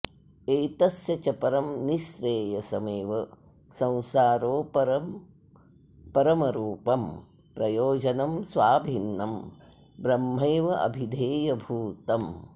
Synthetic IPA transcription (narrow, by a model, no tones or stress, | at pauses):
eːt̪ɐsjɐt͡ʃɐpɐɾɐmniʃɾeːjɐsɐmeːʋɐ | sɐ̃w̃saːɾoːpɐɾɐm | pɐɾɐmɐɾuːpɐm | pɾɐjoːd͡ʒɐnɐmsʋaːbʱinːɐm | bɾɐmːeːʋɐʔɐ̰bʱid̪ʱeːjɐbʱuːt̪ɐm